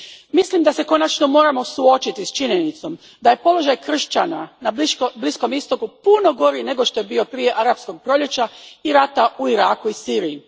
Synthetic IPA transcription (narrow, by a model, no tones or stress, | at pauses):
mislimd̪ase̞ko̞nat͡ʃno̞mo̞ːɾamo̞suo̞t͡ʃit̪ist͡ʃiɲe̞nit̪so̞m | d̪aje̞po̞lo̞ʒajkr̩ʃt͡ʃananablisko̞mist̪o̞kupuno̞ɡo̞ɾine̞ɡo̞ʃt̪o̞je̞bio̞pɾije̞ʔaɾapsko̞ɡ̚pɾo̞ʎʲe̞t͡ɕaiɾat̪aʔuiɾaːkuisiːɾii